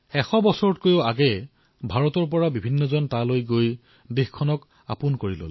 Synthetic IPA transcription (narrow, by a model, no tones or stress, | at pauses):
ɛxɔbɔsɔɹɔt̚kojoaɡɛ | bʱaɹɔtɔɹp̬ɔɹabibʱinːɔzɔntalojɡoj | dixkʰɔnɔk | a̰pʊnkoɹilo̰l